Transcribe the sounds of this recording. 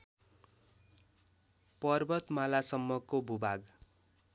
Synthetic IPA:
pʌrbʌt̪malasʌmːʌkobʱubaɡ

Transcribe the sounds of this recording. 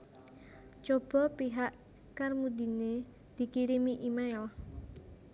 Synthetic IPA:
t͡ʃob̥ɔ̤piɦaʔ | karmud̪ine | d̪̥i̤kiɾimiʔimaɪl

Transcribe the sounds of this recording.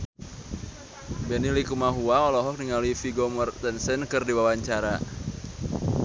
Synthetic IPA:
bɛnilikumaɦuaɔlɔɦɔk̚niŋaluifiɡɔmɔrt̪ɛnsɛnkɨrdiwawaɲt͡ʃaɾa

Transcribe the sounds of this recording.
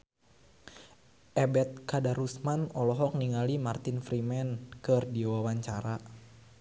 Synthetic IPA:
ʔɛbɛt̪̚kadaɾusmanɔlɔɦɔk̚niŋalimart̪infɾimɛnkɨrdiɔwawaɲt͡ʃaɾa

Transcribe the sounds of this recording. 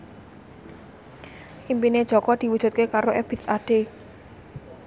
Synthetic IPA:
ʔimpined̥ʒ̥ɔ̤kɔd̪̥i̤wudʒ̥ṳt̪̚kekaɾoʔɛb̥i̤t̪aɖ̥e

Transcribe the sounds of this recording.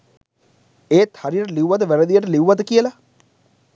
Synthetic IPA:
eːt̪haɾijəʈəliuwʋat̪əʋɛɾəd̪ijəʈəliwʋat̪əkijəla

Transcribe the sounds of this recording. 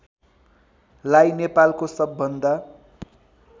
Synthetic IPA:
lajnepalkosʌbːʌnd̪a

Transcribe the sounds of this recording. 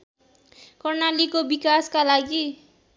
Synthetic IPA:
kʌrnalikobikaskalaɡi

